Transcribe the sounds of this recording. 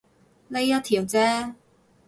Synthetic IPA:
le˨˧jɐ˥t̪ʰiː˨˩wt͡sɛː˥

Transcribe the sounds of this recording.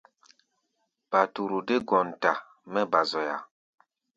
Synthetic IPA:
b̥a˨tu˨ɾu˨de˦ɡɔ˨n˨ta˨ | mɛ˦ba˨zɔ˨ja̰˨

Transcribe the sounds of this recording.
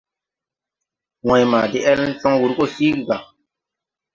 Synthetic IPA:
wɔ̃˨jmaː˨di˦ʔɛ˦ln̩˦sɔ̃˦wu˨ɾko˦˨siː˦ɡi˨ɡa˨

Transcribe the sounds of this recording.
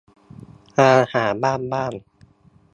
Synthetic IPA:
ʔaː˧haː˩˦baː˥˩nbaː˥˩n

